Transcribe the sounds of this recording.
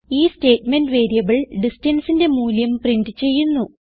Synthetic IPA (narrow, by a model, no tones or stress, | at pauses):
iːsteːʈmenɖʋe̞ːɾijɐbɐɭɖistɐnsinde̞muːljɐmprinɖɨt͡ɕe̞jːunːu